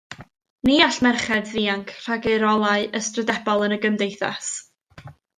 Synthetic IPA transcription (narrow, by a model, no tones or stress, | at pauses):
niːaɬmɛrχɛdðiːaŋkʰr̥aɡeɾɔlˠaɨʔəstrədɛbɔlˠənəɡəmdejθa̰s